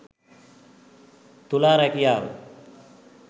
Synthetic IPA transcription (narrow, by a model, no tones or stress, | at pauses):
t̪ulaɾakijaːw